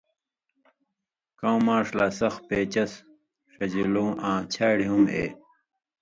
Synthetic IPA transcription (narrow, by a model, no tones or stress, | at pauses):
kãwmãːʂlaːsɐxpeːt͡ɕɐs | ʂɐd͡ʑilũːʔãːt͡ɕʰaːɽiɦumḛː